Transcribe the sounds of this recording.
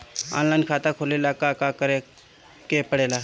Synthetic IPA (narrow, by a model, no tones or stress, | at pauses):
ã̰ːnlaːɪnkʰaːt̪akʰoːleːlakakakəɾe | kepəɽeːlaː